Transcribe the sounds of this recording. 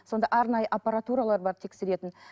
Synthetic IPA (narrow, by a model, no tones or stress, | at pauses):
so̞nd̪ɑʔɑɾnɑjəʔapaɾat̪uɾalˠɑɾbɑɾt̪ʰe̞kse̞ɾe̞t̪ɪn